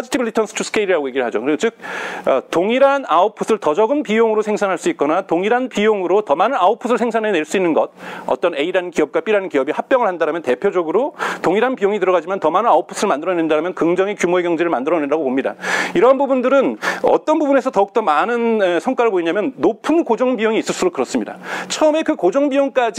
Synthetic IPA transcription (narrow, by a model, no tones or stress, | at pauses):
d͡ʑitʰibɭːitʰʌnsʰɯ̥tʰusʰkʰeiɾiɾaɡojeɡiɾɯɭɦad͡ʑokɯɾesot͡ɕɯk̚ʌtoŋiɾanaopʰusʰɯɭtʌd͡ʑʌɡɯnpijoŋɯɾosʰeŋsʰanŋɦaɭs͈uit̚k͈ʌnatoŋiɾanpijoŋɯɾotʌmanɯnaopʰusʰɯɭsʰe̞ŋsʰanɦene̞ɭs͈uinːɯnɡʌd̚ʌ̰t͈ʌne̞iɾankiʌp̚k͈wap͈iɾankiʌbihap̚p͈jʌŋɯɭhandaɾamjʌnte̞pʰjod͡ʑʌɡɯɾotoŋiɾanpijoŋitɯɾʌɣad͡ʑimantʌmanɯnaopʰu̥sʰɯɭmandɯɾʌnendaɾamjʌnkɯŋd͡ʑʌŋikjumoe̞ɡjʌŋd͡ʑeɾɯɭmandɯɾʌnendaɡopomɲida̰iɾʌnbubundɯɾɯnʌ̰t͈ʌnbubune̞sʰʌtʌuk̚t͈ʌmanɯnesʰʌŋkwaɾɯɭboiɲamjʌnːopʰɯnkod͡ʑʌŋbijoŋiːs͈ɯɭs͈uɾokɯɾʌs͈ɯmɲida̰t͡ɕʰʌɯme̞kɯkod͡ʑʌŋbijoŋk͈ad͡ʑ